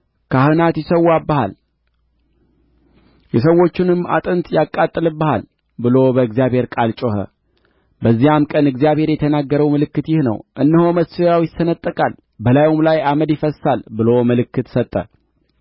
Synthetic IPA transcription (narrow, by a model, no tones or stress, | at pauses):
kʰahɨnat̪jɪsəwːabha̰l | jɛs̬əwːo̞t͡ʃːɪnɨma̰t̪ʼɨnt̪jakʼːat̪ʼːɨlɨbəha̰l | bɨlo̞bəɨɡzijaβhe̞ɾkʼalt͡ʃʼo̞hə̰ | bəzːijamkʼənɨɡzijaβhe̞ɾjɛt̪ʰənaɡːəɾəwmɨlɨkːɨt̪jɪhnə̰wʔɨnːɨho̞məsɨjawjɪsːənət̪ʼːəkʼal | bəlajumlajaməd̪jɪfəsalbɨlo̞mɨlɨkːɨt̪sət̪ʼːə̰